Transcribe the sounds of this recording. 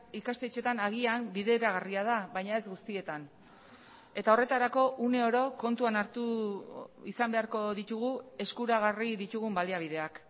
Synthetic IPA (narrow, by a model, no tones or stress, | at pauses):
ikast̪e̞t͡ʃe̞t̪anaɣ̞iambiðe̞ɾaɣariað̞aβajɲae̞zɡust̪ie̞t̪an | e̞t̪ao̞re̞t̪aɾako̞ʔune̞o̞ɾo̞ko̞nt̪uanaɾt̪u | isambe̞aɾko̞ðit̪uɣue̞skuɾaɣ̞ariðit̪uɣ̞umbaliaβið̞e̞ak